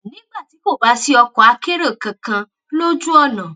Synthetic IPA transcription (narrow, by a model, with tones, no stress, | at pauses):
nĩ˦ɡ͡ba˦˨ti˨˦ko˦˨ba˨˦si˧ɔ˧kɔ˨a˧ke˦ɾe˦˨kã˨kã˧ | lo˦d͡ʒu˦ɔ˦˨nã˨